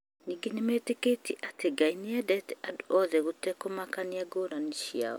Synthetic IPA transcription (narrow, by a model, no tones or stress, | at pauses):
niɡenimeteketiʔateɡainiɛdɛtɛaduʔɔðɛɣotɛkomakaniaɡoɾaniʃia̰ɔ̰